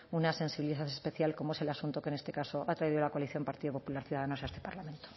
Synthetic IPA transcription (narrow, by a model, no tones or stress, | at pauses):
unase̞nsiβiliθaθespe̞θjalko̞moe̞se̞lasunt̪oke̞ne̞st̪e̞kaso̞ʔat̪ɾaiðiðolakoaliθjo̞mpaɾt̪iðopo̞pulaɾθjuðaðanosaest̪e̞paɾlamẽ̞nt̪o̥